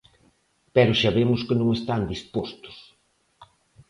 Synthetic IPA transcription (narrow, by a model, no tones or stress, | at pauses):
pɛɾʊʃaβemʊskɪnõŋest̪and̪ispost̪ʊ̥s